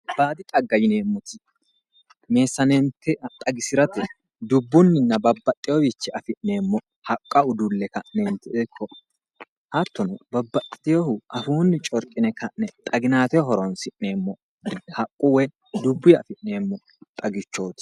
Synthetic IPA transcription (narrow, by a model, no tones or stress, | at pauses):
baːd̪ɪt̪ʼɐɡːɐjɪne̞ːmːʊt̪ɪ | me̞ːsːɐneːmt̪ːɛt̪ʼɐɡɪsɪɾɐt̪ɪ | d̪ʊbːʊnːɪnːɐbɐbːɐt̪ʼːɪjɔbit͡ʃːɛɐfɪʔne̞ːmːɔ | hɐkʼːɐʊd̪ʊlːɛkɐʔneːmt̪ɪekʰːɔ | hɐt̪ːɔnʊbɐbːɐt̪ʼːɪjɔhʊʔɐfuːnːɪt͡ʃʼɔɾkʼɪnɛkɐʔnɛt̪ʼɐɡɪnaːt̪ɛɔɦɔɾɔnsɪʔne̞ːmːɔ | hɐkʼːʊwɛ | d̪ʊbːʊjɐ̰fɪʔne̞ːmːɔ | t̪ʼɐɡɪt͡ʃːo̞ːt̪ɪ̥